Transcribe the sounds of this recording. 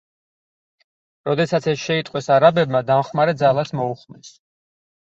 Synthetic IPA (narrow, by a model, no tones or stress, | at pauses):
ɾɔd̪ɛsat̪sʰɛsʃɛit̪ʼqʼwɛsaɾabɛbmad̪amχmaɾɛd̪zalˠasmɔuχmɛs